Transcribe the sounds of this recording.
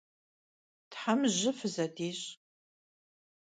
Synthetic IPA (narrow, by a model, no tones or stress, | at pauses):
tħamʑɪfɨzɐdiːɕ